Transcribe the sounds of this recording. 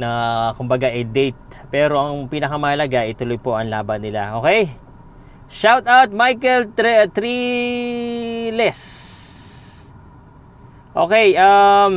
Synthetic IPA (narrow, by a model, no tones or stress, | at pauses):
nɐkʊmbɐɡaʔɐjd̪ɛjt̪̚ | pɛːɾo̞ʔɐŋpiːnɐkɐmɐɐlɐɡaʔɪt̪ʊlojpo̞ʔɐŋlaːbɐnɪla̰ʔoːkɛj | ʃawt̪awt̪̚majkɛlt̪t̪ɾi | lɛs | ʔo̰ːkɛjʔam